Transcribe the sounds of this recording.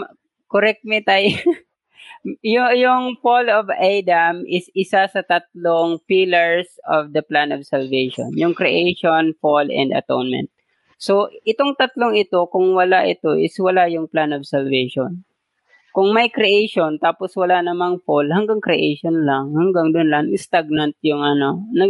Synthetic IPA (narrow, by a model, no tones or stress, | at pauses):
koɾɛk̚t̪̚mɛt̪aj | jʊjʊŋfolovajd̪ɐmʔɪsɪsasɐt̪ɐt̪̚loŋfilɛɹsovd̪ɐplanovsɐlvejʃo̰njʊŋkɾɛʔejʃonfolɛ̰nd̪ɐ̰t̪o̰nmɛ̰nt̪̚ | so̞ʔɪt̪oŋt̪ɐt̪lo̞ŋɪt̪o̞kʊŋwɐlaʔɪt̪o̞ʔɪswɐlajʊŋplanovsɐlvɛjʃon | kʊŋmɐjkɾiʔejʃont̪aːposwɐlanɐmaŋfolhɐŋɡaŋkɾɪʔejʃonlaŋhaŋɡaŋd̪ʊnlɐŋɪst̪aɡ̚nant̪̚jʊŋɐno̞nɐ